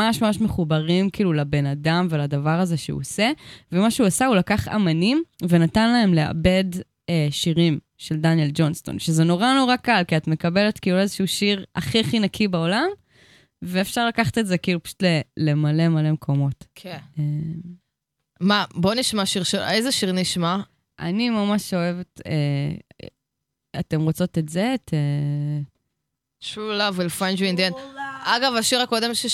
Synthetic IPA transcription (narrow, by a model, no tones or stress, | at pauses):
aʃmamaʃme̞χubaʁimkiːlulabe̞nadamveladavaʁaze̞ʃeṵose̞vemaʃeuasaulakaχa̰manimvenatanlae̞mle̞a̰be̞d | eʃiʁim | ʃeldanjeld͡ʒo̞nst̪o̞̰nʃezeno̞ʁano̞ʁakalkiatme̞kabele̞tkiːluezeʃuʃiʁa̰χiχinakʰibaolam | veːfʃaʁlakaχḁtetzekiiːlupḁʃu̥tlele̞male̞male̞mekʰo̞mo̞tkʰeem | mabo̞niʃmaʃiʁʃeezeʃiʁniʃma | ʔa̰nimamaʃo̞e̞vetḛ | ate̞mʁot͡so̞tetze̞tʰe | ʃulavwilfand͡ʒuind̪ienaɡavaʃiʁakode̞mʃe